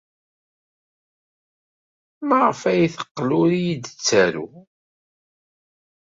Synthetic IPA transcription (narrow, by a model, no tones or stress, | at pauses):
mæʁəfæjθə̥qːlʊɾijid̪ət͡sːæɾṵ